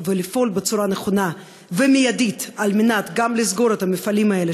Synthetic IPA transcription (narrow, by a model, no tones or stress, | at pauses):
velifo̞lbet͡suɾaneχo̞na | vemijad̪it̪almenat̪ɡamlizɡo̞ɾet̪ɐmefalimae̞le